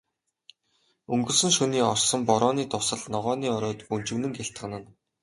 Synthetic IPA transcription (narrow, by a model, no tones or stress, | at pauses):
ɵŋɡɵ̆ɮsɵ̆ŋʃɵniːɔrsɞ̆mpɔɾɔːniːt̪ʊsə̆ɮnɔʁɔːniːɔɾɔːt̪pɵn̥t͡ɕɘ̆wnɘ̆ŋɡʲeɬt̪ɢə̆nə̆n